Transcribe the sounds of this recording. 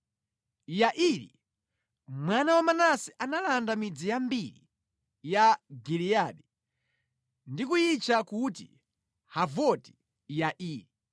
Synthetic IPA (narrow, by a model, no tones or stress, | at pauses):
jaʔiɾḭ | mwanawamanasiʔanalandamid͡zijambiɾḭ | jaɡilijaɗɛ | ndikujit͡ʃakutḭ | havɔti̥ | jaʔiːɾi